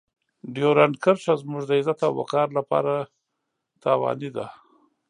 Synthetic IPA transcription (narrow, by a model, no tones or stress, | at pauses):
ɖjoɾankəɾʃazmuʒd̪əɪzat̪awa̰kɑɾlapɑ̰ɾa | t̪ɑwɑ̰nid̪a